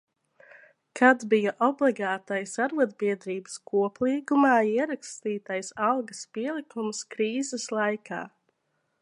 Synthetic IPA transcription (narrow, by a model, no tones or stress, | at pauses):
kʰad̪bijaʔɔblˠiɡaːt̪ajsaɾvud̪biɛd̪ɾiːbə̥skʰuɔplˠiːɡumaːiɛɾakst̪iːt̪ajsalˠɡɐspiɛlˠikumskɾiːzɛslˠajkʰa̰ː